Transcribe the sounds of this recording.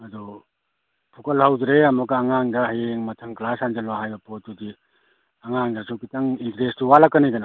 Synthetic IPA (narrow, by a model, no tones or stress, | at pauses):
ɐdu | pʰukɐlhawdɾeɐmɔkːŋaŋdɐhajeŋmɐtʰɐŋklasanzalɔɦajbɐpot̚ːudi | ɐŋaŋdɐsokitaŋintɾestuwalakːɐniɡɐna